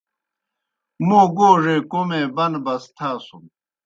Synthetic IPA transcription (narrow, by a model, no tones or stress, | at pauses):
moːɡoːʐeːkomẽːbɐnbɐst̪ʰaːsum